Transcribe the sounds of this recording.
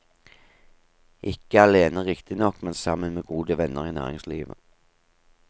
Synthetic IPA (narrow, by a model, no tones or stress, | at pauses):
ʔɪkəɑleːnəʁɪkt̪ɪnɔkmɛnsɑmənmeːɡuːd̪əʋɛnːəʁiːnæ̰ːʁɪ̰ŋslḭːʋə̰